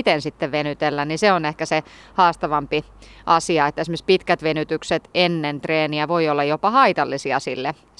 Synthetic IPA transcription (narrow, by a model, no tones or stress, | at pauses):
t̪ensit̪ːeʋʋenyt̪elːænniseonehkæse | hɑːst̪ɑʋɑmpi | ʔɑsiɑet̪ːæesimspit̪kæt̪ʋenyt̪ykset̪enːent̪reːniæʋoiolːɑjopɑhɑit̪ɑlːisiɑ̰silːe